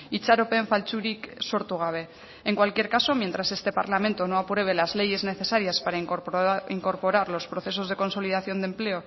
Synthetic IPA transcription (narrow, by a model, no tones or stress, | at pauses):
it͡ʃaɾope̞ɱfalt͡ʃuɾiksoɾt̪uɣ̞aβ̞e̞ | eŋkwalkje̞ɾkaso̞mje̞nt̪ɾase̞st̪e̞paɾlamẽnt̪o̞no̞apɾe̞β̞e̞lazle̞je̞zne̞θe̞saɾjaspaɾa | iŋko̞ɾpo̞ɾaɾlo̞spɾo̞θe̞so̞zð̞e̞ko̞nso̞liðaθjo̞nd̪emple̞o